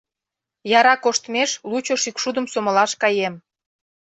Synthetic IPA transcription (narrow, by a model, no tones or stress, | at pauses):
jɑɾɑkoʃt̪meʃlut͡ɕoʃikʃud̪ə̆msomə̆lɑʃkɑjem